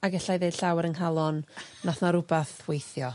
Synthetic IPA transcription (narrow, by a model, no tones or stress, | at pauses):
aɡɛɬajðed̥ɬawɛɾənɦalˠɔnːaθnaɾʊbaθwejθjɔ